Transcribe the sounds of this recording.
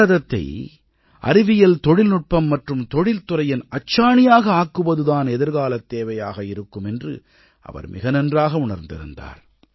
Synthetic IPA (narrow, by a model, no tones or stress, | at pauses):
ɐðɐt̪ːɐ̰ɪ | ʔɐ̰ɾɪʋɪjɐlt̪ɔɽɪlnʊʈ̚pɐmːɐʈrɯmt̪ɔɽɪlt̪ʊrɐjɪnɐt͡ʃːaːɳɪjaːɣɐaːkːɯʋɐðɯðaːnɛðɪɾɣaːlɐt̪ːeːʋɐjaːɣɐɪɾɯkːɯmɛndrɯ | ʔɐ̰ʋɐ̰ɾmʔɪ̰ɣɐnɛndraːɣɐʊɳɐɾnd̪ɪ̰ɾɯ̰nd̪a̰ːɾ